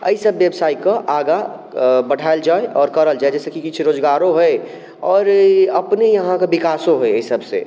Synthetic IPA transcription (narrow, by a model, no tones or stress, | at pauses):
ə̰isəbːjəbsaːikaʔaːɡa | bəɽ̤ʱaːeld͡ʒaːeʔɔːɾkɐɾəld͡ʒaːed͡ʒɛːsekikɪt͡ʃʰɾoːd͡ʒɡaːɾõɦɛ | ɔːɾɐpnejɐɦãkabɪkaːsõɦɛəisəbsḛ